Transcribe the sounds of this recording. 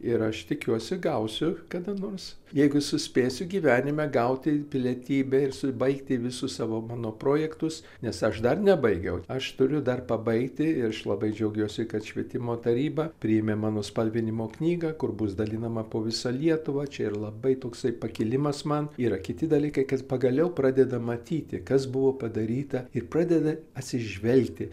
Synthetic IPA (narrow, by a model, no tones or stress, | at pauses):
ɪɾɐʃt̪ʲɪkʲuɔsʲɪɡɐʊsʲʊkɐd̪ɐnoːrsjɛɪɡʊsʊsʲpʲeːsʲʊɡʲiːʋʲæːnʲɪmʲɛɡɐʊt̪ʲɪpʲɪlʲiɛt̪ʲiːbʲɛɪrsʊbɐɪkt̪ʲɪʋʲɪsʊssɑːʋoːmɑːnoːpɾoːjɛkt̪ʊs | nʲɛsɐʃd̪ɐrnʲɛbɐɪɡʲɛʊɐʃt̪ʊɾʲʊd̪ɐrpɐbɐɪkt̪ʲɪɪɾɐʃlˠɐbɐɪd͡ʒʲɛʊɡʲuɔsʲɪkɐt̪ʃʲʋʲiɛt̪ʲɪmoːt̪ɐɾʲiːbɐpʲɾʲɪjɛmʲeːmɑːnoːspɐlʲʋʲɪnʲɪmoːknʲiːɡɐːkʊrbʊsd̪ɐlʲinɐmɐpoːʋʲɪsɐlʲiɛt̪ʊʋɐːt͡ʃʲɛɪrlˠɐbɐɪt̪oːksɐɪpɐkʲɪlʲɪmɐsmɐniːɾɐkʲɪt̪ʲɪd̪ɐlʲiːkɐɪkɐt̪pɐɡɐlʲɛʊpɾɑːd̪ʲɛd̪ɐmɐt̪ʲiːt̪ʲɪkɐsbʊʋoːpɐd̪ɐɾʲiːt̪ɐɪrpɾɑːd̪ʲɛd̪ɐɐt̪ʲsʲɪʒʲʋʲɛlʲkt̪ʲɪ